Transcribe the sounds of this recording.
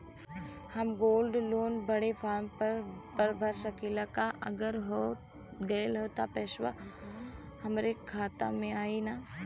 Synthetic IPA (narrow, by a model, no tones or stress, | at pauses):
hɐmɡoːlɖloːnbəɽepʰaːɾmpəpəɾbʱəɾsəkilakaʔɐ̰ɡəɾɦo | ɖeːlɦoːt̪apɛːʃʋa̰ | hɐmɾekʰaːt̪a̰mẽaːina